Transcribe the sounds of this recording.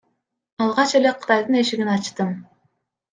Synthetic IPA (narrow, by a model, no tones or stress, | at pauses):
ɑlˠʁɑt͡ʃe̞leqʰɯ̥t̪ɑjd̪ɯne̞ʃiɡinɑt͡ʃt̪ɯm